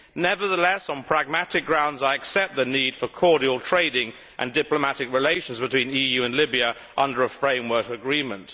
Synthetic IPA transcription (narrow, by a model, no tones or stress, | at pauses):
nɛvə˞ðəlɛsn̩pʰɹ̥æɡ̚mæɾɨk̚ɡ̥ɹãʊ̃ndzaɪɨksɛp̚t̪̚ðənid̥fə˞kʰɔɹɾil̩ˠtʰɹ̥eɪɾɪ̃ŋ | ʔɨ̰̃ndɪpləmæɾɨkɹɨleɪʃn̩zbɨtʰw̥ĩnijʉɨ̃nlɪbiɨ | ʔʌ̃ndə˞əfɹẽɪ̃mwɜ˞kɨɡɹĩmə̃nt